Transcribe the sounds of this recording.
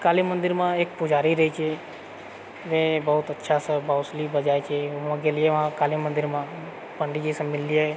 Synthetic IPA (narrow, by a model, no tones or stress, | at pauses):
kaːlimə̃nd̪ɪɾmãːeːkpʊd͡ʒaːɾiɾɐɦit͡ʃʰe | ʋeːbəɦʊt̪ətːʃʰasəbaʊslibəd͡ʒaːet͡ʃʰeɦãk̬elɪeʋɦãkaːlimə̃nd̪ɪɾmãː | pə̃ɳɖid͡ʒisəmːɪlːiɛː